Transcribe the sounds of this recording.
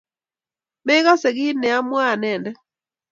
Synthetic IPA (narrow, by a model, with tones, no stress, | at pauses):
mɛ˦ɣa˦sɛ˨ɣi˦nɛ˨a˦mwa˦˨nɛ˨ndɛ˦